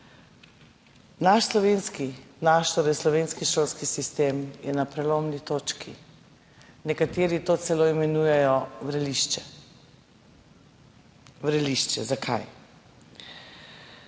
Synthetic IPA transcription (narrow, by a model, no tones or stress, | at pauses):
naʃslɔʋeːnskinaʃt̪ɔɾɛslɔʋeːnskiʃoːlskisist̪eːmjɛnapɾɛloːmnit̪oːt͡ʃkʰi | nɛkat̪eːɾit̪oːt̪sɛloimɛnuːjɛjɔʋɾɛliʃt͡ʃɛ | ʋɾɛliʃt͡ʃɛzakʰa̰j